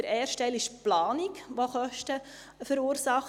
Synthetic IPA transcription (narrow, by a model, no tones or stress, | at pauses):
əɾɛːɾʃtɛlɪʃplɑːnikʋoχœʃtə | fəɾuːɾsɑχ